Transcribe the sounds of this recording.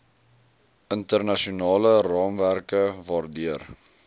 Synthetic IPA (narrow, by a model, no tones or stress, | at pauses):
əntərnɐʃiunɑːlərɑːmværkəvɑːrdiər